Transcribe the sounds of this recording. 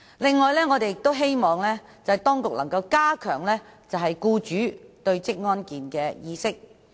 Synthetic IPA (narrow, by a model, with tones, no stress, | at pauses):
lɪ˨ŋːɔː˨jlɛː˥ŋɔː˨˧t̪e˨jɪ˨k̚t̪o˥wɦe˥jmɔː˨˩ŋlɛː˥ | t͡sɐ˨whɐ˨˩jt̪ɔː˥ŋkʊ˨k̚lɐ˨˩ŋkɐ˧wkaː˥kʰœ̰ː˨˩ŋlɛː˥t͡sɐ˨wɦɐ˨jkuː˧t͡ʃyː˨˥t̪ɵ˧ɥt͡sɪ˥k̚ŋɔː˥nkiː˨nkɛː˧jiː˧sɪ˥k̚